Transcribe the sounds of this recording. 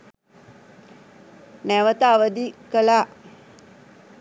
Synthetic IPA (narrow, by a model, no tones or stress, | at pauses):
nɛʋət̪aʋəd̪ikəla